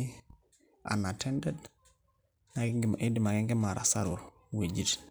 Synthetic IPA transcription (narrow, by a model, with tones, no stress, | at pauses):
a̰˨na˨tʰɛndɛd | nakɡʔi˦di˨ma˨ki˦ŋɡi˦ma˨ɾa̰˨sa˦ɾu | we˨d͡ʒi˨t